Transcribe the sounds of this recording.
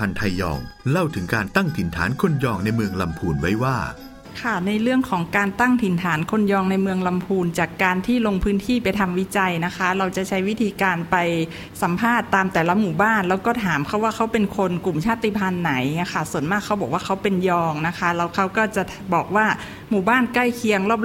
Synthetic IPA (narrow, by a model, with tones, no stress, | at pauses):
a˧nt̪ʰa˧jːɔ̰ː˧ŋla˥˩wt̪ʰɯ˩˦ŋkaː˧nt̪a˥˩ŋt̪ʰi˨˩˦nt̪ʰaː˩˦nkʰo˧njɔː˧ŋna˧jmɯ˧əŋla˧mpʰuː˧nwa˦˥jwaː˥˩ | kʰa˥˩na˧jɾɯ˥˩əŋkʰɔː˩˦ŋkaː˧nt̪a˥˩ŋt̪ʰi˨˩˦nt̪ʰaː˩˦nkʰo˧njɔː˧ŋna˧jmɯ˧əŋla˧mpʰuː˧nt͡ɕaː˨˩kːaː˧nt̪ʰiː˥˩lo˧ŋpʰɯː˦˥nt̪ʰiː˥˩pa˧jt̪ʰa˧mwi˦˥t͡ɕa˧jna˦˥kʰa˦˥ɾa˧wt͡ɕa˨˩t͡ɕʰa˦˥jwi˦˥t̪ʰiː˧kaː˧npa˧j | sa˨˩˦mpʰaː˥˩t̪ːaː˧mt̪ɛː˨˩la˦˥muː˨˩baː˥˩nlɛː˦˥wkɔː˥˩t̪ʰaː˩˦mkʰa˦˥˩waː˥˩kʰa˦˥wpe˧nkʰo˧nku˨˩mt͡ɕʰaː˥˩t̪i˧˩pʰa˧nːa˩˦jŋ˦˥˩kʰa˥˩su˨˩˦ənmaː˥˩kʰːa˦˥wbɔː˨˩k̚waː˥˩kʰa˦˥wpe˧njɔː˧ŋna˦˥kʰa˦˥ɾa˧˩wkʰa˦˥wkɔː˥˩t͡ɕa˨˩ʔ | bɔː˨˩k̚waː˥˩ | muː˨˩baː˥˩nkla˥˩jkʰi˧˥əŋlɔː˥˩p̚